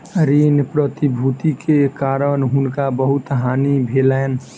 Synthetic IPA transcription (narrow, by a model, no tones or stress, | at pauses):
ɾinpɾət̪ibʱut̪ikʰekaːɾənɦʊnkabəɦʊt̪ɦanibʱelɛn